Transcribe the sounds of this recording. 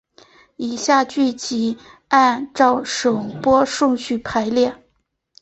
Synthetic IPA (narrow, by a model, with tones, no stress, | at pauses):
i˨˩ɕja˥˧t͡ɕy˥˩t͡ɕi˧˥a˥˧nʈ͡ʂɑ˥˩ʊʂɤ˨˩ŋpwɔ˥ʂʊ˥˧ŋɕy˥˩pʰa˧˥ɪljɛ˥˩n